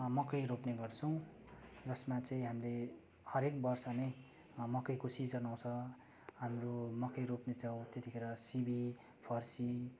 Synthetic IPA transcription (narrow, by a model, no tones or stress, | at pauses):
mʌkʌjɾopneɡʌrt͡sʰʌw̃ | d͡zʌsmat͡sʌĩɦamile | hʌɾek̚bʌrsʌnej | mʌkʌjkosid͡zʌnaw̃t͡sʰʌ | ɦamromʌkʌjɾopnet͡sʌw̃t̪et̪ikʰeɾʌsibi | pʰʌrsi